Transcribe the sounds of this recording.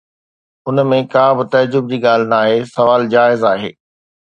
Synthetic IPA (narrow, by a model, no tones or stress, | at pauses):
ʊnmẽkaːbɪt̪ɐd͡ʑʊbd͡ʑiːɠaːl̤ɪnaːɦeːsɐʋaːld͡ʑaːɪzaːɦḛː